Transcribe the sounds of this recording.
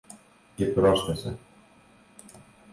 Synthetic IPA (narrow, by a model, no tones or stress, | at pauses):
cepɾosθesḛ